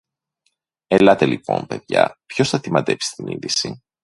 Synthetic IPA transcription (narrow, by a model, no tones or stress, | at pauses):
elɐt̪e̞lipo̞̰mpe̞ðʝɐ̰pço̞sθɐt̪imɐt̪e̞psi̥st̪inḭnðisi